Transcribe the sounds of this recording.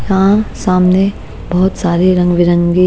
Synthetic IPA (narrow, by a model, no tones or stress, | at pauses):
jãsaːmne | bɔɦʊt̪saːɾeɾɐ̃ŋɡʋɪɾə̃ŋɡi